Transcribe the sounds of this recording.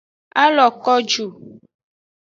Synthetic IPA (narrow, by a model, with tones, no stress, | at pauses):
a˦lɔ˨kɔ˦d͡ʒu˨